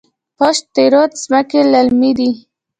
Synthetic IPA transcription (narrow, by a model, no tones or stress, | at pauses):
pɔʃt̪eɾot̪zmakelalmid̪i